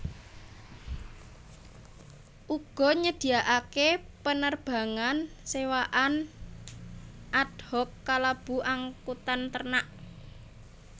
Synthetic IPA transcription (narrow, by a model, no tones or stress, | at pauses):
ʔuɡ̥ɔ̤ɲəd̪̥i̤aʔakepənərb̥a̤ŋansewaʔan | ʔad̪̥hɔkːalab̥ṳʔaŋkut̪ant̪ərnaʔ